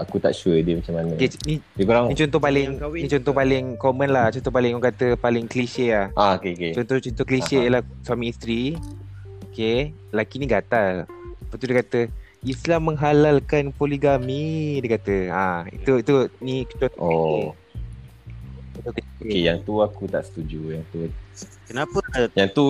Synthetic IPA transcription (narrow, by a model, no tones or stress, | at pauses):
akut̪a̰ʔʃuədiəmat͡ʃamːanəkenidikoɾaŋnit͡ʃɔnt̪ɔpalɪŋwnit͡ʃɔnt̪ɔhpalɪŋkomə̃nlat͡ʃɔnt̪ɔhpalɪŋɔŋkat̪əpalɪŋkəliʃəahaokeoket͡ʃɔnt̪ɔt͡ʃɔnt̪ɔhkəliʃəjəlahswamiːst̪ɾi | oke | lakiniɡat̪alpat̪udekat̪ə | islamːəŋɦalalkanpoliɡamidəkat̪əaḭt̪uit̪unikt͡ʃɔo | ɔt̪ɔkejaŋt̪uakut̪a̰ʔsə̥t̪ud͡ʒujaŋt̪u | kənapəjaŋt̪u